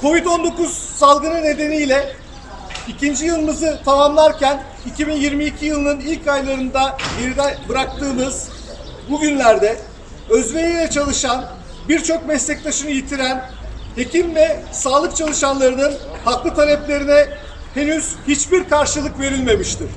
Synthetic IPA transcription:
kʰo̞vit̪o̞nd̪o̞kuz̥salˠɡɯnɯne̞d̪e̞nijlʲɛ | icʰind͡ʒijɯlˠɯmɯzɯt̪ʰamamlˠaɾcʰæn | icʰibinjiɾmiːcʰijɯlˠɯnɯnilʲkajlˠaɾɯnd̪aɟe̞ɾid̪ɛbɯɾak̚t̪ɯːmɯz̥ | buɟynlʲæɾd̪ɛ | ø̞zvejijlʲɛt͡ʃʰalˠɯʃan | biɾt͡ʃʰo̞kmɛslʲɛc̚ʲt̪ʰaʃɯnɯjit̪ʰiɾæn | he̞cʰimvɛsaːlˠɯk̚t͡ʃʰalˠɯʃanlˠaɾɯnɯn | haklˠɯt̪ʰalʲɛplʲe̞ɾinɛ | he̞nyz̥hit͡ʃbiɾkʰaɾʃɯlˠɯkve̞ɾilʲme̞miʃt̪ʰiɾ̥

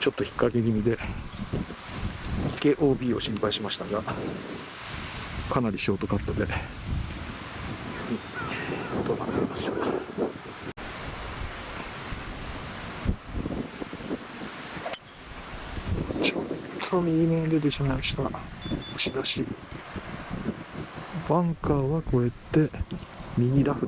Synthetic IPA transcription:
t͡ɕo̞t̪ːo̞çi̥kːakekʲiɲ̟id̪e̞ | ike̞ʔo̞ːbʲiːo̞ɕĩmpaiɕimaɕi̥t̪aɡa | kanaɾʲiɕioːt̪o̞kat̪ːad̪e̞ | i | t̪ona̰na̰ɾʲimasɨ̥t̪a | t͡ɕott̪ʰːomʲiimẽd̪ed̪eɕanaimaɕi̥t̪aoɕid̪aɕi | bãŋkaβako̞e̞t̪ːe̞mʲiɡʲiɾaɸɯ̟

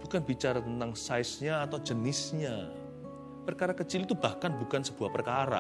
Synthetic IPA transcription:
b̥ukanb̥it͡ʃaɾat̪ənt̪aŋsaɪsɲaːt̪awd͡ʒənɪsɲa | pərkaɾakət͡ʃilt̪ub̥ahkanbukansəb̥uahpərkaɾa̰

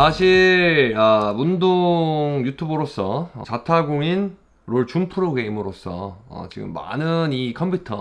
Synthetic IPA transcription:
saɕʰiɭamundoŋjutʰubɯɾos͈ʌʌt͡ɕatʰaɡoŋin | ɾoɭt͡ɕumpʰɯɾoɡeimɯɾos͈ʌ̰ʌ̰t͡ɕiɡɯ̰mːa̰nɯnikʰʌmpʰjutʰʌ̰

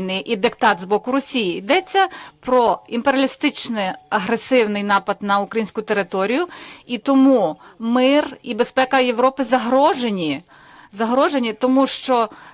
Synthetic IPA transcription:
nɪʔid̪ɪkt̪ɑt̪zbɔkʊɾɔsʲijiːd̪ɛt͡sʲːɐpɾɔimpeɾʲɐlʲɪst̪ɪt͡ʃnɪɐɦɾesɪwnɪjnɑpɐd̪nɐʊkɾɐjinʲsʲkʊt̪eɾɪt̪ɔɾʲijʊit̪ɔmumɪribespɛkɐjeʋɾɔpɪzɐɦɾɔʒenʲi | zɐɦɾɔʒenʲit̪ɔmuʃt͡ʃɔ

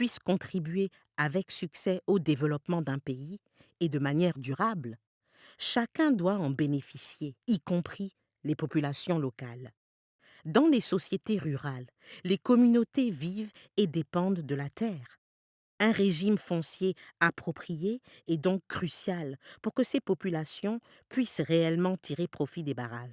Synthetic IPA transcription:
pɥiskɔ̃t̪χibɥe | avɛksyksɛod̪evəlɔpmɑ̃d̪ɛ̃pei | ed̪əmanjɛʁd̪yʁabl | ʃakɛ̃d̪waɑ̃benefisjeikɔ̃pχi | lepɔpylasjɔ̃lɔkal | d̪ɑ̃lesɔsjet̪eʁyʁalː | ekɔmynot̪eviv | ed̪epɑ̃d̪ːəlat̪ɛːʁ | ɛ̃ʁeʒimfɔ̃sjeapχɔpχijeː | d̪ɔ̃kːχysjalpuʁkəsepɔpylasjɔ̃ | pɥisʁeɛlmɑ̃t̪ʰiʁepχɔfid̪ebaʁa̰ʒ

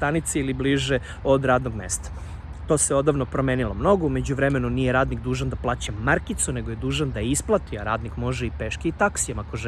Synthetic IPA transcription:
t̪anit̪siilibliːʒe | od̪ɾaːd̪noɡmḛːst̪ḁ | t̪o̞ːseo̞d̪aʋnopɾomeːnilo̞mno̞ɡoume̞d͡ʑuʋɾeme̞nunijeɾaːd̪nikd̪uːʒand̪aplˠaːt͡ɕamːaɾkit̪sune̞ɡoje̞d̪uːʒand̪aisplˠat̪iaɾa̰ːd̪nikmo̞ʒeipeʃkiit̪aksijamakoʒ

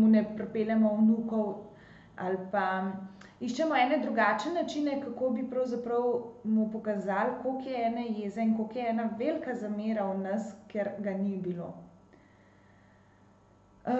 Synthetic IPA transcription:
munɛpɾɛpeːlɛmɔwnuːkɔw | a̰lpa | iʃt͡ʃɛmɔɛːnɛd̪ɾuɡaːt͡ʃɛnat͡ʃinɛkakoːbipɾɐwzapɾɐwmupɔkazaːlkokjɛɛːnɛjeːzɛinkokjɛɛːnaʋelkazameːɾawnɐskɛɾɡanibilo̰ː

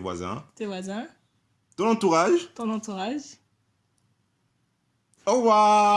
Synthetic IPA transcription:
vwa̰zɛ̰̃t̪evwazɛ̃ | t̪ɔ̃nɑ̃t̪uʁaʒt̪ɔ̃nɑ̃t̪uʁaʒ | owa

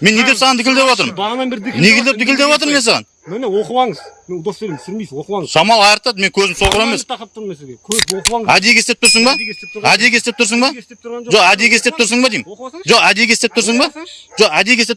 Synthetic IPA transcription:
menːe̞d̪esɑʁɑnt̪ʰɪkʲɪld̪ewot̪əɾəmne̞kʲɪld̪ep̚t̪ʰɪkʲɪld̪ewɑt̪əɾmesɑʁɑn | oqɑŋəz | ʃɑmɑlˠɑjəɾt̪ɑd̪əme̞ŋkʲʰɵzɪmsoʁəɾeme̞s | æd̪ekʲe̞st̪e̞p̚t̪ʰʊɾsəɴbɑæd̪e̞kʲʰest̪ep̚t̪ʰɾs̬əɴbɑʒʒo̞qæd̪ekʲest̪e̞p̚t̪ʊɾs̬əɴbɑd̪ejmʒoqæd̪ekʲʰe̞st̪ep̚t̪ʰʊɾs̬əɴbɑʒo̞qæd̪ekʲe̞st̪e

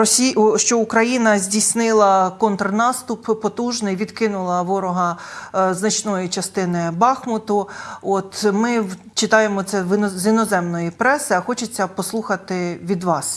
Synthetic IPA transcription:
ɔsʲiʃt͡ʃɔukɾɐjinɐzʲdʲisʲnɪlˠɐkɔnt̪rnɑst̪ʊppɔt̪uʒnɪjʋʲid̪kɪnʊlˠɐʋɔɾʊɦɐznɐt͡ʃnɔjit͡ʃɐst̪ɪnɪbɑxmʊt̪ʊɔt̪mɪ | t͡ʃɪt̪ɑjemɔt̪sɛzinɔzɛmnɔjipɾɛsɪɐxɔt͡ʃet͡sʲːɐpɔslˠuxɐt̪ɪʋʲid̪ʋɑs

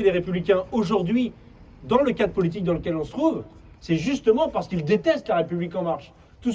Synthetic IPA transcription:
d̪eʁepyblikʲɛ̃oʒuʁd̪ɥi | d̪ɑ̃ləkad̪ʁəpɔlit̪̬ik̚d̪ɑ̃ləkʲɛlɔ̃sə̥t̪χuv | sɛʒyst̪əmɑ̃paʁsə̥kild̪et̪ɛst̪laʁepyblikɑ̃maʁʃ | t̪u

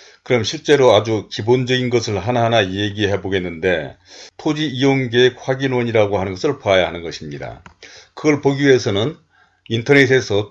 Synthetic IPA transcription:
kɯɾʌmɕʰiɭt͡ɕ͈e̞ɾoad͡ʑukibond͡ʑʌɡinɡʌsʰɯɭɦanaɦanajeɡiɦeboɡe̞nːɯnde̞tʰod͡ʑiːjonɡeek̚ɸwaɡinwʌɲiɾaɡoɦanɯnɡʌsʰɯɭpoajaɦanɯnɡʌɕʰimɲida̰kɯɡʌɭpoɡiɥie̞sʰʌnɯn | intʰʌnesʰe̞sʰʌ

